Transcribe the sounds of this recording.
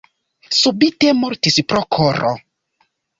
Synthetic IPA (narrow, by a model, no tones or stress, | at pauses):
subite̞moɾtispɾokʰoɾo̰